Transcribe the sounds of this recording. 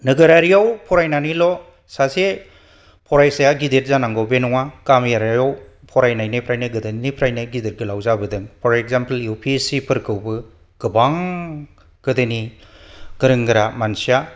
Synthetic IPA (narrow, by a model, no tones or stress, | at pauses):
nɯɡɯɾaɾijawpʰɔɾajnanilɔ | sase | pʰɔɾajsajaɡideɾ̚zanaŋɡɔwbenɔŋakamjaɾajaw | pʰɔɾajnajnɯpʰɾajnɯɡɯdanipʰɾajnɯɡideɾ̚ɡɯlawzabɯdɯŋpʰɔɾekzampeljupʰisipʰɯɾkʰɯwbɯ | ɡ̥ɯbaŋ | ɡ̥ɯdɯni | ɡ̥ɯɾɯŋɡɯɾamansija